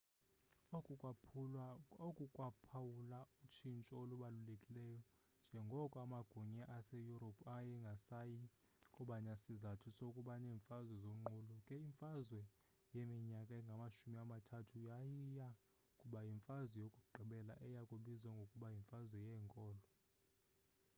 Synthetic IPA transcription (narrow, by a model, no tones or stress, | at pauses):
okʼukʼwapʰawulaut͡ʃʰint͡ʃʼɔoluɓalulekʼilɛjɔ | nd͡ʒʱɛŋɡʱɔkʼamaɡ̥ʱuɲɛʔasejuɾopʰajɛŋɡʱasaji | kʼɔɓaɲasizatʰusokʼuɓanɛːɱfazwɛzoŋ͡ǃulukʼɛiɱfazwɛ | jemiɲakʼaɛŋɡʱamaʃumiamatʰatʰujajija | kʼuɓajiɱfazwɛjokʼuɡ͡ǃʱiɓɛla̰ʔɛjakʼuɓizwaŋɡʱokʼuɓajiɱfazwɛjɛːŋkʼɔːlɔ